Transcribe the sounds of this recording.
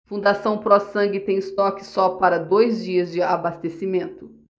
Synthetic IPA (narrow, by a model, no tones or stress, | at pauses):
fũnd̪asɐ̃w̃pɾɔsɐ̃ŋɡɪt̪ẽj̃ɪst̪ɔkɪ̥sɔpaɾɐd̪ojzd͡ʒiɐzd͡ʒɪabast̪esimẽnt̪ʊ